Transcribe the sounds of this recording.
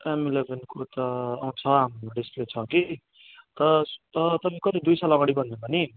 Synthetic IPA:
emelebʱenkot̪ʌːũt͡sʰʌamɖispret͡sʰʌ̃ki | t̪ʌʌt̪ʌmĩkʌt̪id̪ujsalaʌɡaɽibʌnd̪epʌni

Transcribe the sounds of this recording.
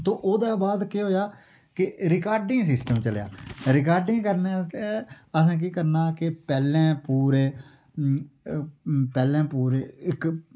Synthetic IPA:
t̪õːʔoːd̪aːbaːd̪keːɦoːjaː | kɪɾɪkaːɾɖɪŋɡsɪsʈəmt͡ʃəlja̰ːɾɪkaːɾɖɪŋɡkəɾnẽːst̪e | əsãːk̬iːkəɾnaːkɪpɛːlẽːpuːɾeː | pɛːlẽːpuːɾeːɪk

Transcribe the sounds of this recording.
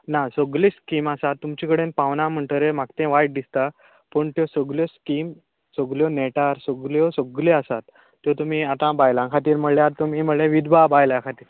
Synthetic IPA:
nasoɡliskimasat̪ːumt͡ɕikəɽenpaʋnãm̤əɳʈ̪əɾem̤akt̪ẽʋajʈ̚d̪ist̪a | pəɳt̪jɔsəɡljɔskim | səɡljɔneʈaɾsoɡljɔsoɡleasat̪ː | jɔt̪um̤iat̪ãbajlãkʰat̪iːɾməljaɾt̪umiməlẽʋid̪babajlãkʰat̪iːɾ

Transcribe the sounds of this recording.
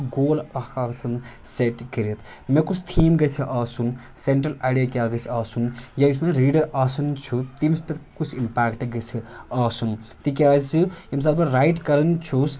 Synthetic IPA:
ɡoːlɐhkaːkt͡sʰɐnseʈkiɾit̪ʰ | mekut͡sʰt̪ʰiːmɡɐt͡sʰiʔaːsun | seɳʈɾɐlaːɽijakʲaːɡɐt͡sʰiaːsunjajismeɾiːɖɐɾʔaːsɐnt͡ʃʰut̪imspet̪kut͡sʰimpaːkʈɡɐt͡sʰiaːsunt̪ik̬iaːt͡sɨims̬ad̪bɐɾajʈkɐɾɐnt͡ʃʰus

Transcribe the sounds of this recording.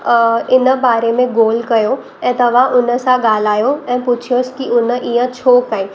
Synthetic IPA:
ɪnbaːɾemẽɡoːlkɐjo | ɛ̃ːt̪ɐʋãʔʊnə̆sãɡaːl̤aːjoɛ̃ːpʊt͡ʃʰijoskiʊnəʔiɦə̃t͡ɕʰoːkɐẽː

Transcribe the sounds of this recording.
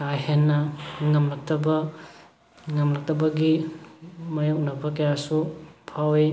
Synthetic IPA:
kajɦenːɐŋɐmlɐk̚tɐbɐ | ŋɐmlɐk̚tɐbɐɡi | mɐjok̚nɐbɐkɐjasupʰawe

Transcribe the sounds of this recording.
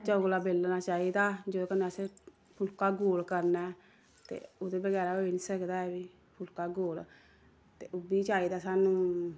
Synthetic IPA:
t͡ʃəɡlaːbeːlnaːt͡ʃaːiːd̪aːd͡ʒoːokəneəsẽː | pʰʊlkaːɡoːlkəɾnɛː | t̪ḛːoːd̪eːbəɡɛːɾaːɦoiniːsəkd̪aːɛːbiː | pʰʊlkaːɡoːl | t̪eːʔʊbiːt͡ʃaːiːd̪aːsaːnũː

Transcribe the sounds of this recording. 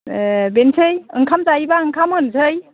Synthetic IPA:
bensʰɯjɯŋkʰamzajbaɯŋkʰamɯnsʰɯj

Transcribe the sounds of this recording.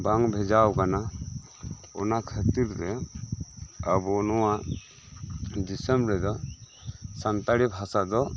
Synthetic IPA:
baŋbʱɛd͡ʒawkana | ɔ̰nakʰət̪iɾtɛ | abɔnɔwa | d͡ʒisəmɾɛd̪ɔ | sant̪aɽibʱɦasad̪ɔ

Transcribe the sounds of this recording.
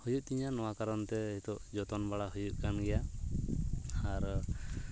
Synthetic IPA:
hujuʔ̚t̪iɲanɔwakaɾɔnt̪ɛɛt̪ɔʔd͡ʒɔt̪ɔnbaɽaɦujuʔ̚ˀkanɡɛja | aɾ

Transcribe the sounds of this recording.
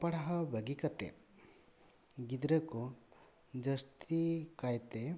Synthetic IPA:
pɐɽaɦɐbʱəɡikɐt̪ḛ | ɡid̪ɾəku | d͡ʒəst̪ikajt̪e

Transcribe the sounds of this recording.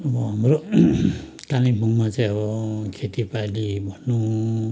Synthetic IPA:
ʌbʌɦamɾo | t̪animʱuŋmat͡saĩʌbʌkʰet̪ipalibʱʌnːu

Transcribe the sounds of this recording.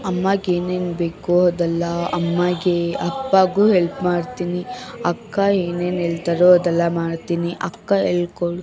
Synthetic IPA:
ɐmːaɡeːnenbeːkuɔd̪ɐlːɐɐmːaɡeɐpːaːɡuːɦelpmaːɽt̪iːniɐkːaeːneːnelt̪ɐɾoɔd̪ɐlːɐmaːɽt̪iniʔɐkːaelkoɽu

